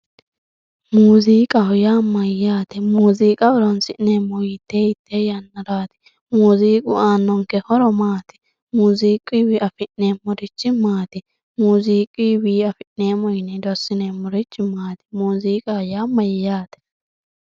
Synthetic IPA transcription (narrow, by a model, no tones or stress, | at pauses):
muːziːkʼɐhʊjaːmɐjːaːt̪ɛmuːziːkʼɐɔɾɔnsɪʔneːmɔjɪt̪ʰːeːjɪt̪ʰːeːjɐnːɐɾaːt̪ɪ̥ | muːziːkʼʊ̰ʔaːnːɔŋkɛhɔɾɔmaːt̪ɪ̥ | muːziːkʼːiːwɪʔɐfɪʔneːmʊɾɪt͡ʃːɪmaːt̪ɪ | muːziːkʼiːwiːɐfɪʔneːmɔjɪnɛd̪ɔsːɪnemʊɾɪt͡ʃːɪmaːt̪ɪ̥muːziːkʼɐhʊjaːmɐjaːt̪ɛ̥